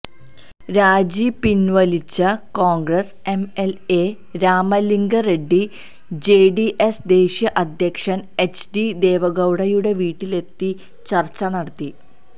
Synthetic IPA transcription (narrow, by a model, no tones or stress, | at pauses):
ɾaːd͡ʑipinʋɐlit͡ɕːɐkoːŋɡrɐs | e̞mele | ɾaːmɐliŋɡɐɾe̞ɖːi | d͡ʑe̞ːɖiʔesd̪e̞ːɕjɐʔɐd̪ʱjɐkʂɐnet͡ɕɖid̪e̞ːʋɐɣɐwɽɐjuɽe̞ʋiːʈːile̞t̪ːi | t͡ɕɐrt͡ɕːɐnɐɽɐt̪ːi